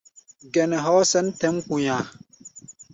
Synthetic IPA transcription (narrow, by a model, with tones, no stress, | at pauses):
ɡɛ˨nɛ˨ɦɔː˦sɛ˦ntɛ˦mku˨ɲãː˨